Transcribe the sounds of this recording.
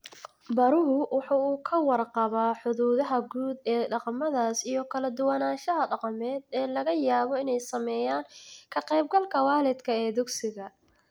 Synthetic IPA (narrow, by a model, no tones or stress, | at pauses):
bɐɾʊɦʊwɑħuːuːkʰɐwɑrqɑβaːħʊðuːðɐɦɐɡuːd̪ɛːɖɑqɑmɐðaːsijɞkʰɐlɐd̪ʊwanaːʃɐɦɐɖɑqɑmɛːd̪ɛːlɐɣɐjaːβɔɪnɛjsɐmɛːjaːŋkʰɐqɛjb̚ɡɐlkʰɐwɑːlɪd̪kʰɐɛːd̪ʊɡsɪɣɐ